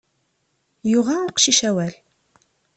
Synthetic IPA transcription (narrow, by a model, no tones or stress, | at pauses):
juʁaʊqʃiʃæwæl